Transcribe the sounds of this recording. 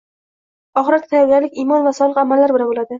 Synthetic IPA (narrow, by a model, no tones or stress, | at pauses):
ɒχɨɾat̪ʰt̪ʰajɒɾɡʲaɾlɪkʲimɒnvasɒlˠɨqamalːaɾbɪlanbolad̪ɪ